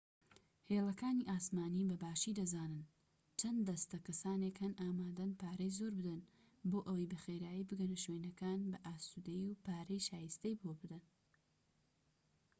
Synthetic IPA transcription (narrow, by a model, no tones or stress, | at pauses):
heːlɐkaːniːʔaːsmaːnibɐbaːʃid̪ɐzaːnɨn | t͡ʃʰɐnd̪ɐst̪ɐkɐsaːnekhɐnʔaːmaːd̪ɐnpaːɾɐjzoːɾbɨd̪ɐn | boːʔɐwɐjbɐxeːɾaːjibɨɡɐnɐʃwenɐkaːnbɐʔaːst̪ud̪ɐjiwpaːɾɐjʃaːjɨst̪ejbobɨd̪ɐn